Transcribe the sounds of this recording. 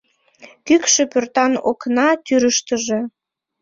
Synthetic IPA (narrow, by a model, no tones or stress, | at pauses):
kykʃepørt̪ɑnoknɑt̪yɾəʃt̪əʒe